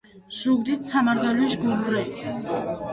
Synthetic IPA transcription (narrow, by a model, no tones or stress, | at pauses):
suɡd̪it̪̚ʰsʰamaɾɡaluʃɡulɡɾɛ